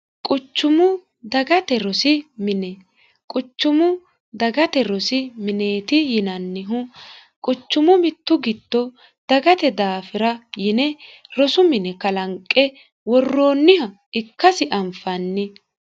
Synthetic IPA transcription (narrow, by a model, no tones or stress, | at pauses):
kʼʊt͡ʃːʊmʊ | d̪ɐɡɐt̪ɛɾɔsɪmɪnɛ | kʼʊt͡ʃːʊmʊ | d̪ɐɡɐt̪ɛɾɔsɪmɪneːt̪ɪjɪnɐnːɪɦʊ | kʼʊt͡ʃːʊmʊmɪt̪ːʊɡɪt̪ːɔ | d̪̥ɐɡɐt̪ɛd̪aːfɪɾɐjɪnɛɾɔsʊmɪnɛkɐlɐŋkʼːɛ | wɔrːoːnːɪhɐ | ɪkːɐsɪʔɐmfɐnːɪ